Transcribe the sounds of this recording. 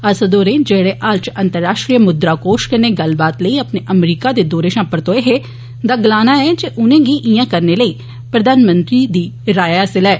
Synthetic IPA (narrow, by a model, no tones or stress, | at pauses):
əsəd̪oːɾẽːd͡ʒeːɽeːʔaːlt͡ʃənt̪əɾːaːʃʈɾijəmʊd̪ɾaːkoːʃkəneːɡəlbaːt̪ləiːəpneːʔəmɾiːkaːd̪eːd̪oːɾeːʃãːpəɾt̪oːeːɦeː | d̪aːɡəlaːnaːɛːd͡ʒeʔʊnẽːɡiːʔɪjãːkəɾneːləiː | pɾəd̪aːnmə̃nt̪ɾiːd̪iːɾaːjəsɪlɛː